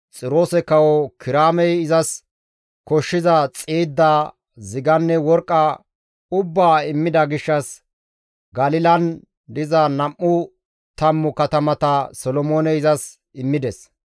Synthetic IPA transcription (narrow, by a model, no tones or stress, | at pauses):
t͡sʼɪɾo̞ːsɛkɐwɔkɪɾaːmɛjɪzɐs | kɔʃːɪzɐt͡sʼeːd̪ːa | zɪɡɐnːɛwɔɾkʼːɐ | ʊbːaːɪmːɪd̪ɐɡɪʃːɐs | ɡɐlɪlɐn | d̪ɪzɐnɐmːʊ | t̪ɐmːʊkɐt̪ɐmɐt̪ɐsɔlɔmoːnɛɪzɐs | ɪmːɪd̪ɛs